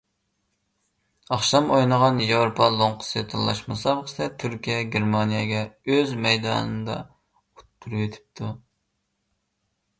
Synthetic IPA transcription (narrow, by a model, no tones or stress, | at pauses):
ɑχʃɑmojnəʁɑnjewɾopʰɑlˠoɴqʰʊ̥sɨt̪ʰɨlːˠɑ̰ʃmɑsɑbχsɛt̪ʰyɾkʲijɛɡʲeɾmɑnijɛɡʲɛøzmɛjd̪ɑ̰ːnɨnd̪ɑ̰ | ut̪̚pʰyɾwet̪ʰɪ̥p̚t̪ʰu